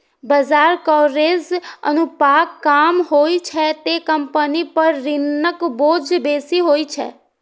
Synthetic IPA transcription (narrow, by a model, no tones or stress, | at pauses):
bəd͡ʒaɾkɔɾezə̰nũpakːamɦoit͡ʃʰɛt̪ekəmpənipəɾːɪnːəkbod͡ʒbesiɦoit͡ʃʰɛ̰